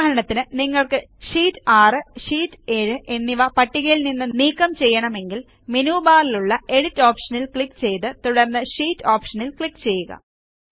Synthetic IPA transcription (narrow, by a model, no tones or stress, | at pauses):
ɐɾɐɳɐt̪ːinɨniŋːɐɭkɨʂiːtːaːrɨʂiːtːeɻɨʔe̞nːiʋɐpɐʈːiɣɐjilninːɨniːkːɐmt͡ɕe̞jːɐɳɐme̞ŋɡil | menuːbaːliluɭːɐe̞ɻɽitːoːpʂɐnilkɭikːt͡ɕe̞jt̪ːɨt̪uɽɐrnːɨʂiːtːoːpʂɐnilkɭikːt͡ɕe̞jːuɣɐ̰